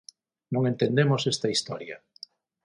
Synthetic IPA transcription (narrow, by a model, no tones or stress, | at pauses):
nõŋent̪end̪emosest̪ɐist̪ɔɾjɐ̰